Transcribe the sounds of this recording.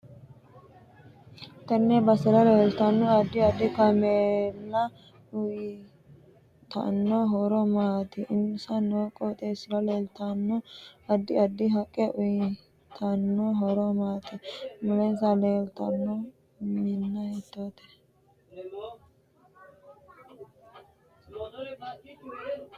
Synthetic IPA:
t̪ɛnːɛbɐsɪlɐleːlt̪ɐnːʊɐd̪ːɪɐd̪ːɪkɐmelːɐ | ʊj | t̪ɐ̰nːɔɦɔɾɔmaːt̪ɛʔɪnʊsɐnoːkʼːɔt̪ʼeːsɪlɐleːlt̪ɐnːʊɐd̪ːɪɐd̪ːɪɦɐkʼːɛʔʊj | t̪ʰɐnːɔɦɔɾɔmaːt̪ɛmʊlɛzɐleːlt̪ɐnːɔ | mɪnːɐhɛt̪ːot̪ɛ̥

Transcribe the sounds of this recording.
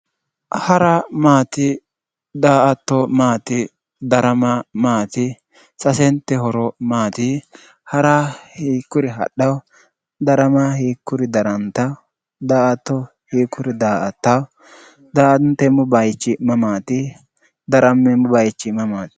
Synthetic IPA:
hɐɾɐmaːt̪ɪ | d̪aːʔɐt̪ːɔmaːt̪ɪ | d̪ɐɾɐmamaːt̪ɪ | sɐsɛnt̪ːɛɦɔɾɔmaːt̪ɪ | hɐɾahiːkːʊɾɪɦɐ̰ɗːɐw | d̪ɐɾɐmahiːkːʊɾɪd̪ɐɾɐnt̪ɐ | d̪aːʔɐt̪ːɔ | hiːkːʊɾɪd̪aːʔɐt̪ːɐw | d̪aːʔɐnt̪ːɛmʊbɐjt͡ʃːɪmɐmaːt̪ɪ | d̪ɐɾɐmːɛmʊbɐjt͡ʃːɪmɐmaːt̪ɪ̥

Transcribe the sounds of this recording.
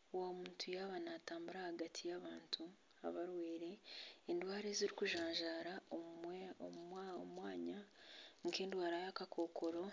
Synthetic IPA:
wamuːntʰujaβanaːtaːmbuɾahaɡatʰijaβaːntʰu | a̰βaɾweːɾe̞endwaːɾeziɾikuʒaːɲʒaːɾa | ommo̰mwaːɲaŋkeːndwaːɾajakakʰo̞kʰo̞ɾo̞

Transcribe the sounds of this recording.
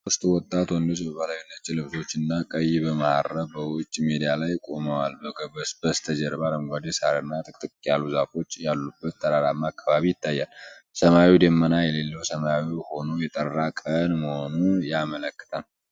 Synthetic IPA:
sʊst̪ʼwɔt̪ʼːat̪wɔnd̪ot͡ʃbəβalajunːət͡ʃːɛlɨβso̞t͡ʃːɪnːakʼəjːibəmahaɾəbəwʊt͡ʃʼːmed̪ijalajkʼo̞məwalbəɡəbəsb̥əst̪ʰəd͡ʒɛɾbaləmɡʷad̪isaɾɨnːat̪ʰʼɨkʼt̪ʼɨkʼjaluzafo̞t͡ʃːjalːubːət̪ːʰəd̪aɾamːaːkʰːaβaβijɪt̪ʰːajːalsəmawid̪əmːənajɛle̞lːəwsəmawiho̞nojɛt̪ʼərːakʼənməho̞nujamələkːɨ̥t̪ʰalː

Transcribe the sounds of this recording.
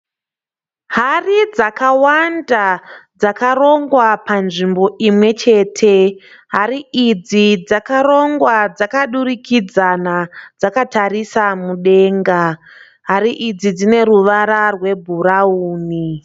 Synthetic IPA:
ɦarid͡zakawandad͡zakaɾo̞ŋɡwapanʐimbo̞ʔimwe̞t͡ʃe̞ːtʰe̞ɦaɾiid͡zid͡zakaɾo̞ŋɡwad͡zakaɗurikʰid͡zanad͡zakatarisamuɗe̞ːŋɡa | ɦaɾiʔid͡zid͡zine̞ɾuʋaɾarwe̞bʱuɾauːni

